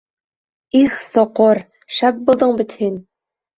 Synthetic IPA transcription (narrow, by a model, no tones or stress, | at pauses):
iχsoqoɾ | ʃæp̚bulˠd̪ɤɴbit̪hin